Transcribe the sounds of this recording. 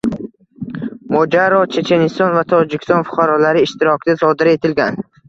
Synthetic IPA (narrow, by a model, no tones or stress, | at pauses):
mɒd͡ʒaɾɒt͡ʃʰe̞t͡ʃʰe̞nist̪ɒnvat̪ʰɒd͡ʒikʲʰst̪ɔnfʊ̥qʰaɾɒlaɾɪːʃt̪iɾɒkʲd̪asɒd̪ɪɾe̞t̪ʰɪlɡʲan